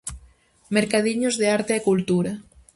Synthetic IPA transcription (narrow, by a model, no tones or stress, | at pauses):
meɾkaðiɲozðeaɾt̪eːkult̪uɾa